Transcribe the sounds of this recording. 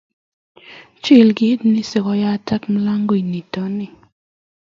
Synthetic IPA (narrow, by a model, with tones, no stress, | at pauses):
t͡ʃɪ˦˨lɡɪ˦ɪ˦tnɪ˦sɪ˨kɔ˨ja˦tʰɛ˦km˦la˦ŋɡo˦˨i˨ni˨tɔ˨˦nɪ˨